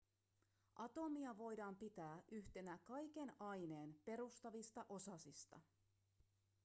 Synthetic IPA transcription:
ʔɑt̪o̞miɑʋo̞jdɑːmpit̪æːʔyçt̪e̞nækɑjk̟e̞nɑjne̞ːnpe̞ɾust̪ɑʋist̪ɑʔo̞sɑsist̪ɑ̰

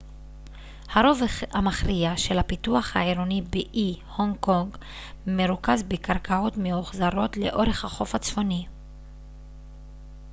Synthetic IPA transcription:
haɾo̞vamaχʁiaʃelhapituaχhaeɾonibeʔihoŋko̞ŋɡ | meʁukazbekaʁkʰao̞tmeoχzaʁo̞tle̞ʔo̞ʁe̞χhaχo̞fat͡sfo̞ni

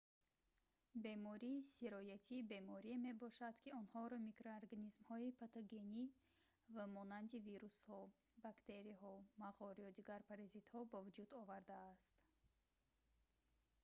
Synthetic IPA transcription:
be̞mɔɾiːsiɾɔjat̪ʰiːbe̞mɔɾieme̞bɔʃad̪̥kʰiɔnhɔɾɔmikɾoaɾɡanizmhɔipʰat̪ɔɡe̞ni | vamɔnand̪iviɾushɔ | bakt̪e̞ɾiɦɔmaʁɔɾiɔd̪iɡaɾpʰaɾazit̪hɔbavud͡ʒud̪ɔvaɾd̪aːst̪

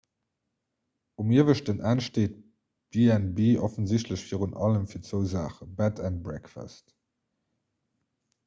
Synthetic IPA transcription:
umiːəvəʃtənʔæːnʃteːt̚ | b̥eːɛnbiːʔɔfənzɪɕtləɕfiːʁunɑləmfiːɐt͡səʊza̰ːχəbætʰænt̚bʁɛkfa̰st

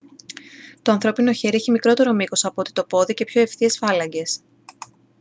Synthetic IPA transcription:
t̪oɐnθɾo̞pino̞çe̞ɾieçimikɾo̞t̪e̞ɾo̞mikosɐpoot̪i̥t̪o̞po̞ðice̞pço̞e̞fθie̞sfɐlɐɲɟe̞s

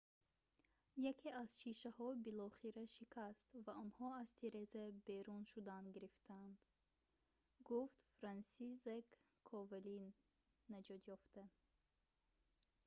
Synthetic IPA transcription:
jakʰeaz̥ʃiʃahɔbilɔχiɾaʃikʰast̪vaɔnhɔazt̪ʰeɾezebeɾunʃud̪and̪ɡiɾift̪ʰand̪̥ | ɡuft̪fɾansizekʰː | ɔvelinː | ad͡ʒɔd̪jɔft̪ʰa

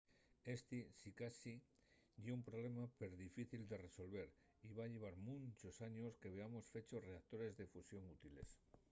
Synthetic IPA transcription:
est̪isikasi | ʝeumpɾoβle̞mape̞ɾðifiθild̪e̞re̞so̞lβe̞ɾ | iβaʎe̞β̞aɾmũnt͡ʃosaɲo̞ske̞βe̞amo̞sfe̞t͡ʃo̞sre̞ak̚t̪oɾe̞zðefusjo̞ŋut̪ile̞̰s

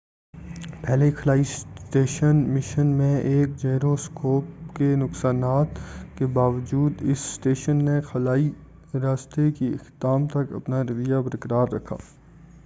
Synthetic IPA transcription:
pɛːlekʰəlaːisʈeːʃənmɪʃənmẽeːk̚d͡ʒeːɾoskoːpkenʊksaːnaːt̪kebaːʋəd͡ʒuːd̪ɪsːʈeːʃənːexɐlaːi | ɾaːst̪ekiɪ̰xd̪aːmt̪ɐkɐ̰pnaɾɪʋəjabɐɾkəɾaːɾːɐkʰa̰ː

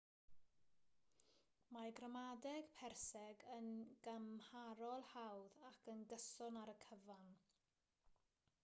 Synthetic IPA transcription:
maɡrəmadɛɡ̥pʰɛrsɛɡənɡ̥amhaɾɔlˠhawðakʰənɡəsɔnaɾəkʰəvan

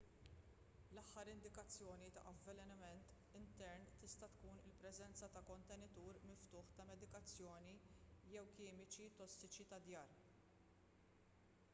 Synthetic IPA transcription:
lɐħːɐɾɪnd̪ɪkɐt͡sːjɔːnit̪ɐ̰ʔɐvːɛlɛnɪmɛnt̪ | ɪnt̪ɛɾnt̪ɪst̪ɐt̪kuːnɪlpɾɛzɛnt͡sɐt̪ɐkɔnt̪ɛnɪt̪uːɾmɪft̪ʊːħt̪ɐmɛd̪ɪkɐt͡sːjɔːnijɛwkɪːmɪt͡ʃit̪ɔsːɪt͡ʃit̪ɐd̪jɐːɾ

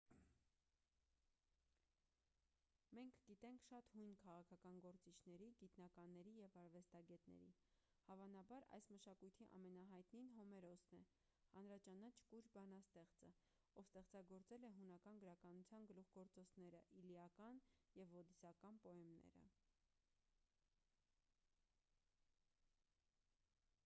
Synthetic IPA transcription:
mɛŋkʰɡit̪ɛŋkʰʃɑt̪hujnkʰɑʁɑkʰɑkɑnɡɔɾt͡sit͡ʃʰnɛɾiɡit̪nɑkɑnːɛɾijɛvɑɾvɛst̪ɑɡɛt̪nɛ̰ɾḭ | hɑvɑnɑbɑɾɑ̰jsməʃɑkujt̪ʰiʔɑ̰mɛnɑɦɑjt̪ninɦɔmɛɾɔsnɛ | hɑnɾɑt͡ʃɑnɑt͡ʃʰkuɾbɑnɑst̪ɛχt͡sə | ɔvst̪ɛχt͡sɑɡɔɾt͡sɛlɛɦunɑkɑnɡəɾɑkɑnut͡sʰjɑnɡəluχɡɔɾt͡sɔt͡sʰnɛɾəʔiliɑkɑnjɛvɔd̪isɑkɑnpɔɛmnɛ̰ɾə̰

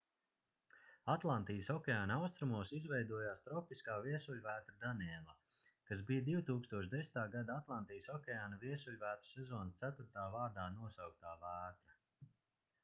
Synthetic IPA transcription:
at̪lˠant̪ijəsɔkʲɛaːnawst̪ɾumuɔsizvɛjd̪uɔjaːst̪ɾɔpiskaːviɛsulʲvæːt̪ɾud̪aniɛlˠa | kasbijd̪iwt̪uːkst̪uɔʃd̪esʲt̪aːɡad̪aat̪lˠant̪ijsɔkʲɛaːnaviɛsulʲvæːt̪ɾ̥sɛzɔːnst̪sæt̪uɾt̪aːvaːɾd̪aːnuɔsawk̚t̪aːvæːt̪ɾa

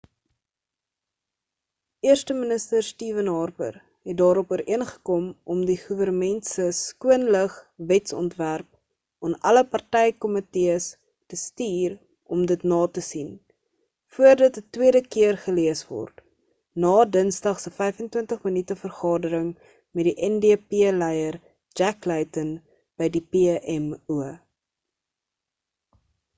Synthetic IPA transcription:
ʔiərstəmənəstərstiːvənɦɑːrbə̰r | ɦɛt̚dɑːɾɔpuəɾʔiənχə̥kɔmʔɔmdiχuvərnəmɛntsəskuənləχvɛtsɔ̰ntværp̚ | ɔnʔɐləpɐrtɛjkɔməteəs | təstiːr | ʔɔmdətnɑːtəsin | fuərdɐtətwiədəkiərχəliəsvɔ̰rt | nɑːdənsdɐχsəfɛjfəntwəntəχmənytəfərχɑːdəɾəŋ | mɛdiʔɛndepiəlɛjər | d͡ʒæklɛjtən | b̥əjdipeʔɛmuə

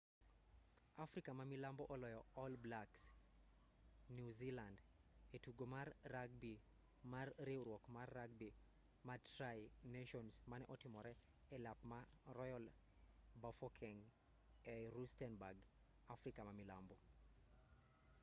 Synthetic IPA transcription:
afɾikamamilambɔʔɔlɔjɔɔlblaks | njuzilandetuɡomarːaɡ̚bi | marɾiwɾwɔkmarːaɡ̚bi | matɾajneʃɔnsmanɛʔɔtɪmɔɾɛ | ɛlapmarɔjɔl | bafɔkʰɛŋ | ɛɾustɛnbaɡ | afɾikamamilambo

